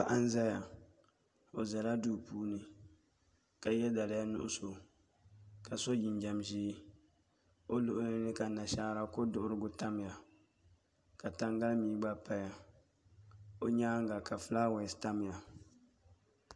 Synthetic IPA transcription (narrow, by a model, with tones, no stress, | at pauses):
ba˨ʔa˦n˦za˦ja˨ | o˨za˨la˦du˦˨puː˦nɨ˨ | ka˨jɛ˦da˨la˨˦ja˦nʊ̰˦ʔʊ̰˦so˨ | ka˨so˦d͡ʒɪ˨nd͡ʒa˨mʒiː˦ | o˦lʊ˦ʔʊ˦nɪ˦nɨ˦ka˨na˨ʃa˦ɾa˦kʊ˦dʊ˦˨ʔʊ˦ɾɨ˦ɡʊ˦ta˦m˨ja˨ | ka˨ta˦ŋɡa˦lmiː˦ɡ͡ba˦pa˦ja˨ | o˦ɲaː˦ŋ˦ɡa˨ka˨fɨ˦laː˦wɛ˨sta˦m˨ja˨